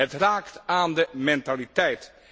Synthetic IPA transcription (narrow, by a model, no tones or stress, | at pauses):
ətraːktaːndəmɛntalitɛjt